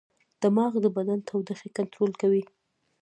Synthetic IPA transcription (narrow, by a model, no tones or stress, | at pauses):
d̪̥əmɑɣd̪əbad̪ant̪ʰawd̪əxekant̪ɾolkawi